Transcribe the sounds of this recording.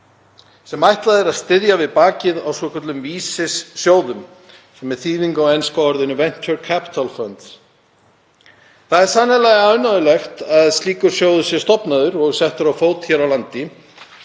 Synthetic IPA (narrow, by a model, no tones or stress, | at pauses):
sɛmajht̪laðɪɾaðst̪ɪðjavɪðpaːcɪðawsvɔkʰœt̪lʏmviːsɪsːjoːwðʏm | sɛmɛθiːðiŋkawɛnskaɔɾðɪnːʏvɛn̥t͡ʃʏɾkʰapɪ̥t̪ʰalfœnt̪ | θaðɛɾ̥sanalaɣanaðʏlɛxt̪aðst̪liːkʏɾ̥sjoːwðʏsjɛ̥st̪ɔpnaðʏɾɔɣsɛht̪ʏɾawfoːwt̪çɛɾawlant̪ɪ